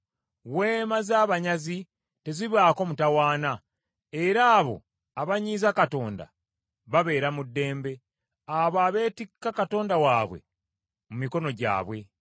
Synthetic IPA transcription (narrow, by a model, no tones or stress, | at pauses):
we̞ːmazaːβaɲazi | te̞ziβaːko̞ːmutawaːna | e̞ɾaːβo̞̰ | aβaɲiːzakato̞ːnda̰ | βaβe̞ːɾamudːe̞ːmbe̞ | aβaβe̞ːtikːakato̞ːndawaːβwe̞̰ | mumiko̞no̞ɟa̰ːβwe̞